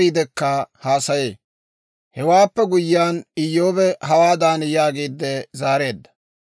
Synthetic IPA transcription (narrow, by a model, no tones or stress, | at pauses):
iːd̪ɛkːɐhaːsɐjḛː | hɛwaːpːɛɡʊjːaːnɪjːoːbɛɦɐwaːd̪aːnɪjaːɡiːd̪ːɛzaːɾe̞ːd̪ːɐ̥